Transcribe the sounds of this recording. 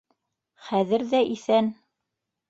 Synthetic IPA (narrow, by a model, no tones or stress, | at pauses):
χæðɘɾðæʔiθæn